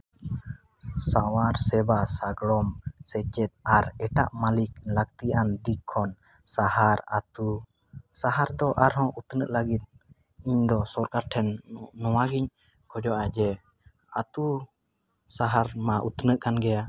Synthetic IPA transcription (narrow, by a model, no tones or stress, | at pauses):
sawaɾsɛbasaɡɽɔmsɛt͡ʃɛt̪̚aɾɛʈaʔmalik̚lək̚t̪iʔand̪ikʰːɔn | sahaɾa̰t̪u | saɦaɾd̪ɔʔaɾɦɔ̃ʔut̪nəʔlaɡit̪̚ | iɲd̪ɔsɔɾkaɾʈʰɛnːɔwaɡiɲ | kʰɔd͡ʒɔʔad͡ʒɛ | at̪u | saɦaɾmaʔut̪nəʔkanɡɛja